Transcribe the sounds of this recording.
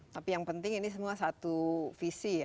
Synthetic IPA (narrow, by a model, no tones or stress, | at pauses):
t̪apijaŋpənt̪ɪŋinis̬əmuasat̪ufisija